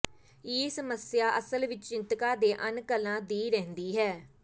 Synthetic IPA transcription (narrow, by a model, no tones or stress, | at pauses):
eːsəməsjaːʔəsəlʋɪt͡ʃt͡ʃɪnt̪kaːd̪eːʔənkəlːãːd̪iːɾɛ̃ːɦnd̪iːɦɛː